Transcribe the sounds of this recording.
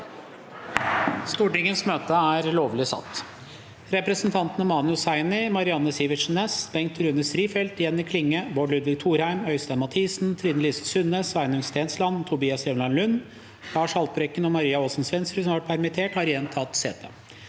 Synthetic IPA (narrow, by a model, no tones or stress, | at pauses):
st̪uːʈɪŋənsmøːt̪əæːɾloːʋlɪsɑ̰t̪ː | ɾɛpɾəsnt̪ʰɑnt̪ənəmɑːnʉsæɪnɪmɑɾɪɑnːəsiːʋɪʂn̩ɛsbɛŋkt̪ʰːɾʉnəsɾiːfɛlt̪jɛnːɪkʰlɪŋːəboːɖlʉd̪ʋɪɡ̚t̪ʰuːɾhæɪmœʏst̪æɪnmɑt̪ʰiːsnt̪ʰɾiːd̪nəliːsəsʉnesʋæɪnəŋst̪eːnslɑnt̪ʰʊbiːɑsjɛʋnɑnlʉnː | lɑːʂhɑlt̪pɾɛkːənɔmɑɾiːɑoːsn̩sʋɛnsɾəsɔmʋɑʈ̚pʰæɾmɪt̪ʰeːʈhɑɾjɛnt̪ʰɑt̪sḛːt̪ʰə̰